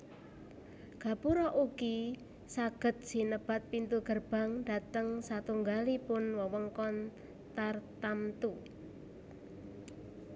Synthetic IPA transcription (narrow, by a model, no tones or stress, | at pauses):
ɡ̥a̤puɾɔʔuki | saɡ̥ə̤t̪̚sinəb̥a̤t̪̚pint̪uɡ̥ərb̥a̤ŋda̤t̪əŋsat̪uŋɡalipʊnwɔwəŋkɔn | t̪art̪amt̪u